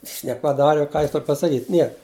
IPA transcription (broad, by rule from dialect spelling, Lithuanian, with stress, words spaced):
ˈjɪs nʲɛpɐˈdɑːrʲɪ ʊ ˈkɑː ˈjɪs ˈtoːr pɐsɐˈkʲiːtʲ ˈnʲiɛk